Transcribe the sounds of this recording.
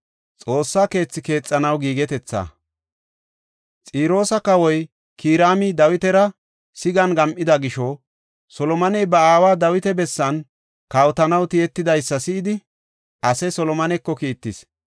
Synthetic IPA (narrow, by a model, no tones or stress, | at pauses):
t͡sʼo̞ːsːake̞ːt͡sːɪke̞ːt͡sʼːɐnɐwɡiːɡɛt̪ɛt͡sːa̰ː | t͡sʼiːɾo̞ːsɐkɐwɔj | kʰiːɾaːmɪd̪ɐwɪt̪ɛɾɐ | sɪɡɐnɡɐmʔɪd̪ɐɡɪʃɔ | sɔlɔmɐnɛjbɐaːwaːd̪ɐwɪt̪ɛbɛsːɐn | kawt̪ɐnɐwt̪ɪjɛt̪ːɪd̪ɐjsːɐsɪɪd̪ɪ | ʔɐsɛsɔlɔmɐnɛkːɔkiːt̪ːɪs